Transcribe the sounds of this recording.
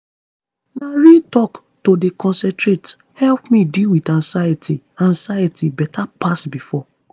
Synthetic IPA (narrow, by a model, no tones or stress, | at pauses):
naɹitɔk | todekɔ̃nsɛ̃ntɹet | hɛlpmĩdilwidãŋsajatʰi | ãnsajatibɛtʰapasbifɔ